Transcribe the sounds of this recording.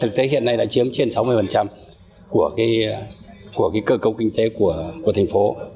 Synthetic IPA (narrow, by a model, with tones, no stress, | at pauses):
t̪ʰɨ˨˩k̚t̪e˨˦ɦḭ˧˨ənːa˧jɗa̰ː˧˥t͡ɕi˨˦əmt͡ɕe˧nsa˨˦wmɨ˧əjfə˨˩nt͡ɕa˧m | ku˧˩əkaː˨˦j | ku˧˩əkaː˨˦jkəː˧kə˧wkï˧ŋ̟t̪e˨˦ku˧˩əku˧˩ət̪ʰŋ̟fo˨˦